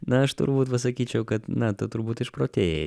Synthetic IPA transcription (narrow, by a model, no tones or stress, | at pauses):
nɐɐʃt̪ʊ̰ɾbuːt̪pɐsɐkʲiːt͡ʃʲɛʊkɐt̪nɐt̪ʊt̪ʊɾbuːt̪ɪʃpɾoːt̪ʲeːje